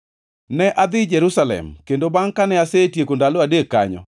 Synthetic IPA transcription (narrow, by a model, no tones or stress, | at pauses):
nɛʔad̪ɪd͡ʒɛɾusalɛ̰mkendobaŋkanɛasetjekondaloadekːa̰ɲɔ̰